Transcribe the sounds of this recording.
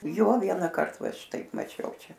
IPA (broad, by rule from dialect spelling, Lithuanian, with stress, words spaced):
ˈjoː ˈʋʲiɛŋkɐrt ʋɐ ˈʃʲɪtɐɪp mɐˈt͡ʃʲɛʊ ˈt͡ʃʲɛ